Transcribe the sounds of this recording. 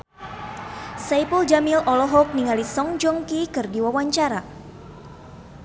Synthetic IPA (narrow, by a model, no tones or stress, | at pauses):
sajpuld͡ʒamilɔlɔɦɔk̚niŋalisɔŋd͡ʒɔŋkikɨrdiwawaɲt͡ʃaɾa